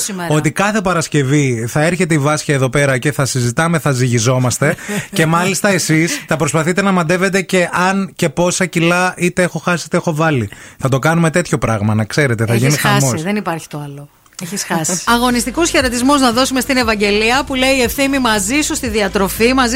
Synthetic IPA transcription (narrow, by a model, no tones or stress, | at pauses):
simeɾot̪ikɐθe̞pɐɾɐsce̞viθɐeɾçe̞t̪e̞ivɐsçɐeðo̞pe̞ɾɐce̞θɐsizit̪ɐme̞θɐziʝizo̞mɐst̪e̞ce̞mɐlist̪ɐe̞sist̪ɐpɾo̞spɐθit̪e̞nɐmɐd̪e̞ve̞t̪̬e̞ce̞ʔɐnce̞po̞sɐcilɐit̪e̞exo̞xɐsiit̪eexovɐliθɐt̪o̞kɐnume̞t̪e̞t̪ʰço̞pɾɐɣmɐnɐkse̞ɾe̞t̪eθɐʝinixmosðenipɐɾçi̥t̪o̞ɐlo | eisxɐsɐɣo̞nist̪ikusçeɾot̪izmuznɐðo̞sume̞st̪ine̞vɐɲɟe̞liɐpuleiiːe̞fθimimɐzisust̪iðiɐt̪ɾo̞fimɐz